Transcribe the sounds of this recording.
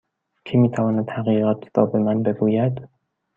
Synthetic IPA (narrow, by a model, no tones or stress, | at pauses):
cʰimiːt̪ʰævɒːnæd̪̥hæɣiːɣæt̪ʰɾɒ̰ːbemænbe̞ɡuːjæd̪